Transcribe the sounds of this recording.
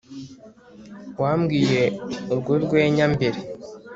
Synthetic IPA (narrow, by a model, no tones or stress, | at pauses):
waːmɡiːje̞oɾɡoɾɡweːɲambeɾe